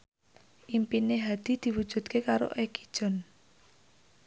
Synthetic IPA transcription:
ʔimpineɦad̪̥i̤d̪̥i̤wud̥ʒ̥ṳt̪̚kekaɾo̰ʔeki̥d̥ʒ̥ɔ̤n

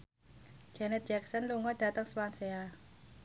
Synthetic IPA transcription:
d͡ʒ̥ɛnɛt̪̚dd͡ʒɛk̚sənluŋɔd̥ä̤t̪əŋswansea

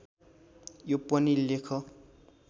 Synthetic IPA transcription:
jopʌnilekʰʌ

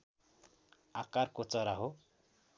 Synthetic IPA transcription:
akaɾkot͡sʌɾaɦo

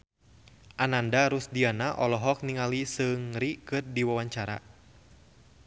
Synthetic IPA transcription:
ʔanandaɾusdianaʔɔlɔɦɔk̚niŋalisɨŋɾikɨrdiwawaɲt͡ʃaɾa̰

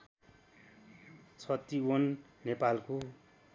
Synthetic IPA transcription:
t͡sʰʌt̪iwʌnːepalko

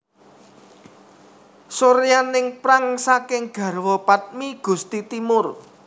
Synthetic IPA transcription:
soɾjanɪŋpɾaŋsakɪŋɡ̥ä̤rwɔpat̪̚miɡ̥ṳst̪it̪imʊr

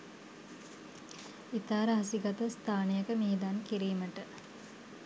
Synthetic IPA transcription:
it̪aːɾəɦasiɡat̪əst̪ʰaːnejəkəmeɦed̪ankiɾiːməʈə

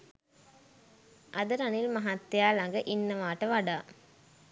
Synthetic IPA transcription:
ʔɐd̪əɾanilmɐɦat̪ːjaːlɐŋɡəʔinːəʋaːʈəʋaɖaː

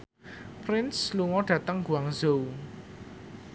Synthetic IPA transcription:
pɾɪnsluŋɔɖ̥ä̤t̪əŋɡuaŋzou

